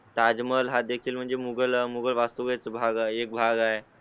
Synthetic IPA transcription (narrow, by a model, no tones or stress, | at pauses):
t̪ad͡zməlɦad̪ekʰiːlm̤əɳd͡zemuɡəlmuɡəlʋast̪uʋajt͡səbʱaɡaek̚bʱaɡae